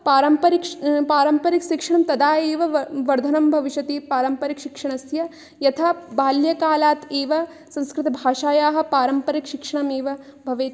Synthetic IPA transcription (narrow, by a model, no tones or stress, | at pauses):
paːɾɐmpɐɾikpaːɾɐmpɐɾikʃikʂɐɳ̃ɐmt̪ɐd̪aːeːʋɐʋɐɾd̪ʱɐnɐmbʱɐʋiʃɐt̪eːpaːɾɐmpɐɾikʃikʂɐɳ̃ɐsjɐ | jɐt̪ʰabaːljɐkaːlaːt̪eːʋɐ | sɐ̃nskɾɪt̪ɐbʱaːʃaːjaːɦɐ̆paːɾɐmpɐɾikʃikʂɐɳɐmeːʋɐbʱɐʋeːt̪